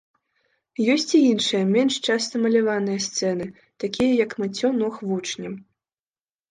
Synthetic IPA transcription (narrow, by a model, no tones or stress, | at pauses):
jɔsʲt͡sʲiinʂɨjɐmʲɛnʂt͡ʂast̪ɐmɐlʲavanɨjɐst̪sɛnɨ | t̪akʲijɐjɐkmɨt͡sʲɔnɔxvut͡ʂnʲɐm